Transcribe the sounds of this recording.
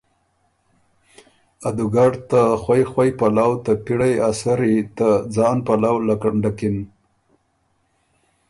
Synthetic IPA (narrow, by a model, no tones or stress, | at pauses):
ad̪ʊɡaɽt̪axwajxwajpalawt̪apiɽajasaɾit̪ad͡zɑnpalawlakaɳɖakɪn